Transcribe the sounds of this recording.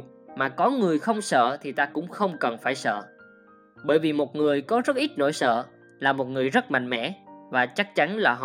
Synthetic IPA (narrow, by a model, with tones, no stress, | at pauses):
maː˨˩kɔ˨˦ŋɨ˨˩əjxə˧wŋ͡msə̰ː˧˨t̪ʰi˨˩t̪aː˧kʊ̰˧˥ŋ͡mxə˧wŋ͡mkə˨˩nfaː˧˩jsə̰ː˧˨ | ɓəː˧˩jvi˨˩mo˨˩t̚ŋɨ˨˩əjkɔ˨˦zə˦˥t̚ʔi˦˥t̚no̰˧˨jsə̰ː˧˨ | laː˨˩mo˨˩t̚ŋɨ˨˩əjzə˦˥t̚ma̰˧˨jŋ̟mɛ̰˧˥˨vaː˨˩t͡ɕa˦˥k̚t͡ɕa˨˦nlaː˨˩ɦ